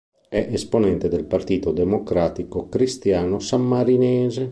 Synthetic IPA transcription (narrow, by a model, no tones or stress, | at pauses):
ɛʔesponɛnt̪ed̪elpart̪iːt̪od̪emokɾaːt̪ikokɾist̪jaːnosamːaɾinɛːze